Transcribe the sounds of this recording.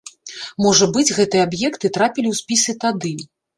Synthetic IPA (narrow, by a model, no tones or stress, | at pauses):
mɔʐɐbɨd͡zʲɣɛt̪ɨjɛabjɛkt̪ɨt̪ɾapʲilʲiwsʲpʲisɨt̪ad̪ɨ